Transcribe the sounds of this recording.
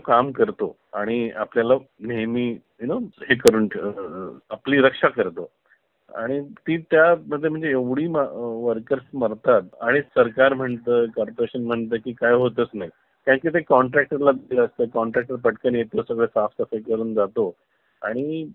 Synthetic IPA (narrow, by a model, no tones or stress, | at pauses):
kamkəɾt̪o̰ | aɽ̃ia̰pljalanemiː | ɦinohekəɾuːɳʰ | apliːɾəkʂakəɾt̪o | a̰ɽ̃it̪iːt̪jaməd̪ʱːjem̤əɳd͡zeeʋɽ̤iːmaʋəɾkəɾsməɾt̪at̪aɽ̃isəɾkaɾm̤əɳt̪əːkɔɾpəɾeɕənm̤əɳt̪əːkiːkajɦot̪ət͡snaj | kjãŋkiːt̪ekɔɳʈɾæk̚ʈəɾlad̪ləst̪əːkɔɳʈɾæk̚ʈəɾpəʈkənjet̪osəɡɭesafsəfajkəɾuːnd͡zat̪o | aɽ̃i